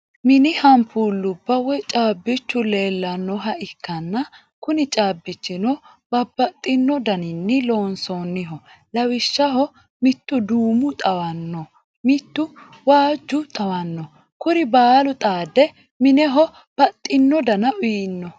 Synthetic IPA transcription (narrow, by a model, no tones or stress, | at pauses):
mɪnɪhɐmpʰuːlːʊbːɐwɔjt͡ʃʼaːbːɪt͡ʃːʊleːlːɐnːɔɦɐʔɪkːɐnːɐ | kʊnɪt͡ʃʼaːbːɪt͡ʃːɪnɔ | b̥ɐbːɐt̪ʼːɪnːɔd̪ɐnɪnːɪloːnsɔnːɪɦɔlɐwɪʃːɐɦɔ | mɪt̪ːʊd̪uːmʊt̪ʼɐwɐnːɔ | mɪt̪ːʊ | waːd͡ʒːʊt̪ʼɐwɐnːɔ | kʊɾɪbaːlʊt̪ʼaːd̪ɛ | mɪnɛɦɔ | b̥ɐt̪ʼːɪnːɔd̪ɐnɐʔʊinːɔ